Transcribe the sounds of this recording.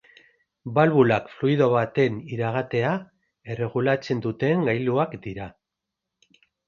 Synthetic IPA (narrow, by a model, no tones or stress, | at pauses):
balβulakfluiðo̞βat̪e̞niɾaɣ̞at̪e̞a | e̞re̞ɣ̞ulat͡se̞nd̪ut̪e̞ŋɡajluakd̪iɾa